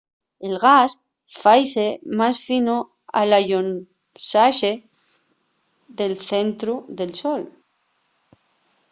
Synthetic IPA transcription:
elɣas | fajsemasfino | a̰laʎon | saʃe | ðelθent̪ɾuðe̞lsol

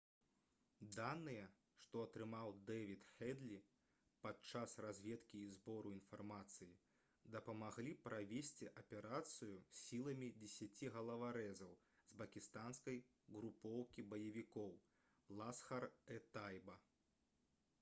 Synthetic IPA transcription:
d̪anːɨjɐ | ʂt̪ɔɐt̪ɾɨmawd̪ɛvʲit̪xɛd̪lʲi | pat̪̚t͡ʂasrazʲvʲɛt̪kʲiːzbɔɾuin̪farmat̪sɨji | d̪ɐpɐmaɣlʲipɾavʲesʲt͡sʲiʔɐpʲɛɾat̪sɨjusʲːilˠɐmʲid͡zʲɛsʲat͡sʲiɣɐlˠɐvaɾɛzɐw | zbɐkʲist̪anskɐj | ɣɾupɔwkʲibɐjɐvʲikɔw | lˠasxɐrɛt̪ajbɐ

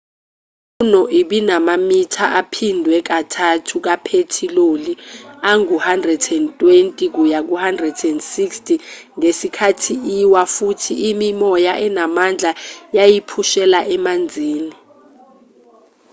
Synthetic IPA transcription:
unɔʔiɓinamamitʰaʔapʰindʱwɛk̬atʰatʰuk̬apʰetʰiloliaŋuhandrɛdɛntʼwentʼik̬ujak̬uhandrɛdɛndsikstʰʼi | ŋesikʰatʰiiwafutʰiːmimɔjaʔɛnamand͡ɮʱajajipʰuʃɛlaʔɛmand͡zʱiːni

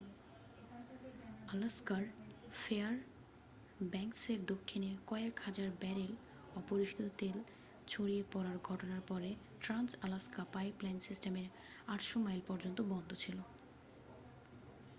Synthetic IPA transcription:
alaskaɾfeaɾ | bɛŋkseɾd̪okʰːinekɔeekhad͡ʑaɾbɛɾil | ɔpoɾiʃi̥t̪t̪ot̪el | t͡ɕʰoɾiepɔɾaɾɡʱɔʈonaɾpɔɾe | ʈɾansalaskapaeplɛnsisʈemeɾ | aʈʃomajlpɔɾd͡ʑont̪obɔnd̪ʱot͡ɕʰilo

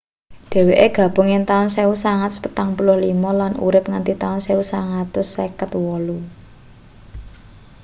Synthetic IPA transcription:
ɖ̥e̤weʔeɡ̥a̤b̥ṳŋɪnt̪aɔnseusaŋat̪̚spət̪aŋpulʊhlimɔlanṵɾɪp̚ŋant̪it̪aɔnseusaŋat̪ʊsekət̪wɔlu

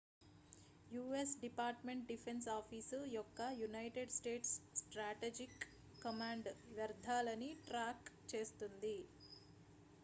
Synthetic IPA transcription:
juːesɖipaːɾʈmeɳʈ̚ɖipʰensaːpʰiːsjɔkːɐjunɐjʈeɖsʈe̞ːʈsːʈɾaːʈed͡ʒikː | ɐmaːɳɖʋjɐɾd̪ʱaːlɐniʈɾaːkt͡ʃe̞ːst̪und̪i

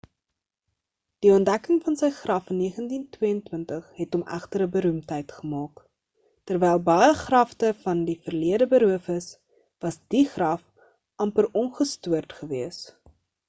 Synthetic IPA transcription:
d̥iɔntdækəŋfɐnsəjχrɐfənːiəχəntintwiəəntwəntəχɦɛtɔmæ̰χtəɾəbəɾumtɦəjtχəmɑːk | tərvɛjlˠbɐjəχrɐftəfɐndifərliədəbəɾuəfəs | vɐsdiχrɐf | ʔɐmpərɔnχəstuərtχəviəs

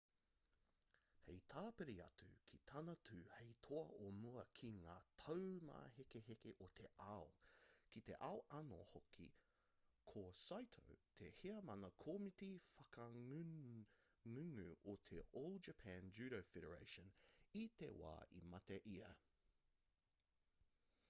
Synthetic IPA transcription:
hejt̪ʰaːpeɾiɐ̰tʉ̰kʰit̪ʰɐnɐtʰʉheɪjtʰoɐʔomuɐkʰiŋaːtʰɐwma̰ːɦekeɦekeʔot̪ʰeʔaokit̪ḛʔaoʔɐno̰hokʰḭ | kʰosajtʰo̰wt̪ʰeheɐmɐnɐkʰoːmitifɐkɐ | ŋʉŋʉʔot̪ʰeʔowlˠd̚d͡ʒɐpʰænd͡ʒʉːɾofeɾə˞ḛɪʃə̃nit̪ḛwa̰ːḭmɐt̪eʔiɐ

